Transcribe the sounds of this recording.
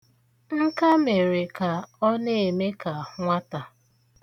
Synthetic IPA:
ŋ̩˦ka˦me˨ɾe˨ka˨ɔ˦ne˦e˨me˦ka˨ŋʷa˦ta˨

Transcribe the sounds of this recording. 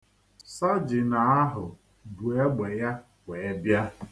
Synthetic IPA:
sa˦d͡ʒɪ˨na˨a˦ɦʊ˨ | bu˨e˦ɡ͡be˨ja˦ | wʷe˨e˦bja˦

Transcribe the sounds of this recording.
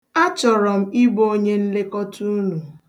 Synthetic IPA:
a˦t͡ʃɔ˨ɾɔ˨m̩˦i˦bo˦o˦ɲe˦n̩˦le˦kɔ˦tu˦nu˨

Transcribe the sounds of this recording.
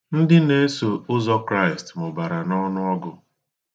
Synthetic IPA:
n̩˦dɪ˦ne˦so˨ʊ˦zɔ˦kɾa˦ɪ˨stmʊ˨ba˨ɾa˨nɔ˦nʊ˦ɔ˦ɡʊ˦

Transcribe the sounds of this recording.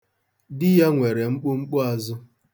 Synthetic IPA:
dɪ˦ja˦ŋʷe˨ɾe˨ŋ͡m̩˦k͡pʊ˦ŋ͡m̩˦k͡pʊ˦a˨zʊ˦

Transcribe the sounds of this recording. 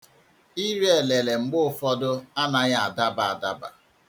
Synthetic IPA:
i˦ɾe˦e˨le˨le˨ŋ͡m̩˨ɡ͡bʊ˦ʊ˨fɔ˦dʊ˦a˦na˦ɣa˦a˨da˦ba˨a˨da˦ba̰˨

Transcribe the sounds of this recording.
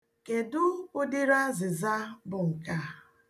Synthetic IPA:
ke˨dʊ˦ʊ˦dɪ˦ɾa˦zɪ˨za˦bʊ˨ŋ̩˨ka˦

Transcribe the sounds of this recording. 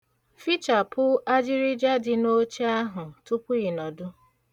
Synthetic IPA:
fi˦t͡ʃa˨pʊ˦a˦d͡ʒɪ˦ɾi˦d͡ʒa˦dɪ˨no˦t͡ʃi˦a˦ɦʊ˨tu˦pʊ˦i˨nɔ˨dʊ˦

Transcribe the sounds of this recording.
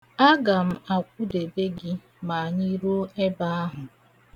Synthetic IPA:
a˦ɡa˨m̩˦a˨kʷu˦de˨be˦ɡɪ˦ | ma˨ɲi˦ɾo˦e˦ba˦a˦ɦʊ˨

